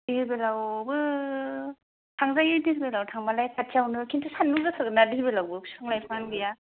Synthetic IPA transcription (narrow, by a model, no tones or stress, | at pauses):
dibelawbɯ | tʰaŋzajɯɾdiɾbelawtʰaŋmalajkʰat͡ʃawnɯkʰintʰɯsanːuŋzɯsʰazɯnadiɦibelawbɯkʰsɯŋlajpʰanɡɯja